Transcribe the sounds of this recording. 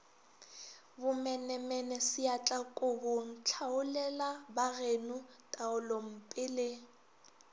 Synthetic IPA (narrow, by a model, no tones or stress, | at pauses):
bʊmɛnɛmɛnɛsɪat͡ɬʼakʼʊhʊn̩t͡ɬʰaʊlɛlabarenʊtʼaʊlom̩pʼɪlɪ